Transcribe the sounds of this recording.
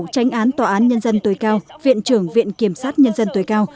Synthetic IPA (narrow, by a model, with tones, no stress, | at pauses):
t͡ɕa˨˦ŋ̟ʔaː˨˦nt̪waː˧˩ʔaː˨˦nɲə˧nzə˧nt̪o˨˦jkaː˧wvḭ˧˨ənt͡ɕɨ˧˩əŋvḭ˧˨ənki˧˩əmsaː˦˥t̚ɲə˧nzə˧nt̪o˨˦jkaː˧w